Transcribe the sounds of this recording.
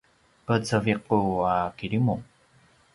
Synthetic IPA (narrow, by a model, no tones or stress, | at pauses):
pət͡səviquakiɾimu